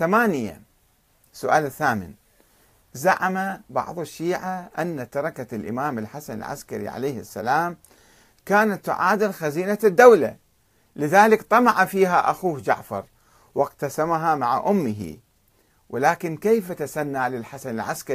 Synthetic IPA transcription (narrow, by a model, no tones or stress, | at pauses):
θamaːnɪja̰ | sʊʔa̰ːlθaːmɪ̰n | zaʕamabɑ̰ʕðˤɪʃːiːʕaʔanːat̪ɑɾˤɑkalʔɪ̰maːmɪlħasanɪ̰lʕa̰skaɾḭʕa̰laːhɪsːa̰laːm | kaːnat̪ːʊʕaːd̪ɪlxaziːnad̪ːawla̰ | lɪðaːlɪkt̪ˤɑmɑʕafiːɦaʔaxuːhd͡ʒa̰ʕfɑɾˤ | wɪqt̪asamaɦamaʕa̰ʔʊmːɪɦḭ | wɪlaːkɪnkejfat̪asanːaʕlɪlħasanɪlʕaska